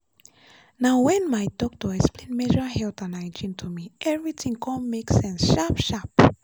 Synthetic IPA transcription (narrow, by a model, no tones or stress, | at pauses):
nawwɛ̃nmajdɔk̚toɛksplẽnmɛʒəhɛlt̪ãnajd͡ʒĩntʰumiʔɛvɹitʰĩŋkʰɔ̃mmeksɛ̃nsʃapʃap